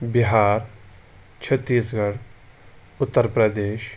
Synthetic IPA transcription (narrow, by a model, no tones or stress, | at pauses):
biɦaːɾ | t͡ʃʰɐt̪ːiːsɡɐɽ | ʊt̪ːəɾpɾəd̪eːʃ